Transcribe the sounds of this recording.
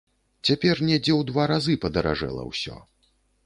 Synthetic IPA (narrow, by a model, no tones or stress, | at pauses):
t͡sʲapʲɛrnʲɛd͡zʲɛwd̪vaɾazɨpɐd̪ɐɾa̰ʐɛ̰lˠɐ̰wsʲɔ̰